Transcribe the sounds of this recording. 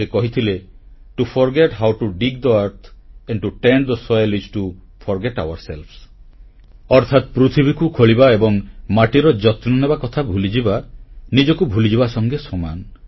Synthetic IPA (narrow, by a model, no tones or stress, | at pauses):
ekɔɦit̪ʰileʈupʰɔɾɡeʈɦawʈuɖiɡ̚d̪əaɾt̪ʰɛ̃ɳɖʈuʈeɳɖd̪əsɔjlisʈu | pʰɔɾɡeʈa̰waɾselpʰs | ɔɾt̪ʰat̪pɾut̪ʰibʱikukʰoɭibaebɔŋmaʈiɾɔd͡ʒɔt̪nɔnebakɔt̪ʰabʱulid͡ʒibanid͡ʒɔkubʱulid͡ʒibasɔŋɡesɔma̰n